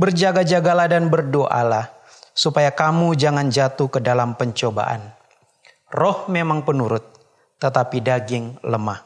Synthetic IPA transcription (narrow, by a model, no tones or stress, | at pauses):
bərd͡ʒaɡad͡ʒaɡaladanbərdoʔa̰la | supajakamud͡ʒaŋand͡ʒat̪ukədalampəɲt͡ʃoba̰ʔa̰n | rɔhmemaŋpənuɾʊt̪̚ː | ət̪apidaɡɪŋləmah